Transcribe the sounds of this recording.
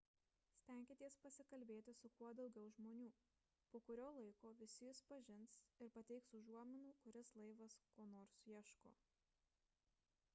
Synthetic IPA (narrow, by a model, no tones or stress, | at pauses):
sʲt̪ʲɛˑŋʲkʲeːt̪ʲiɛspɐsʲɪkɐlʲbʲeːt̪ʲɪsʊkuɔd̪ɒʊɡʲɛʊʒmoːnʲuː | poːkʊɾʲoːlˠɐɪkoːʋʲɪsʲɪjɪspɐʒʲɪnsɪɾpɐt̪ʲɛɪksʊʒuɔmʲɪnuːkʊɾʲɪslˠɐɪʋɐskoːnoːɾsjiɛʃko̰ː